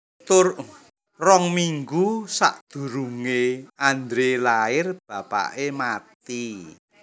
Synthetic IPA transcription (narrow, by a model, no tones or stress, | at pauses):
t̪ʊr | rɔŋmiŋɡusa̰ʔd̪̥ṳɾuŋeand̪ɾelaɪrb̥a̤pa̰ʔemat̪i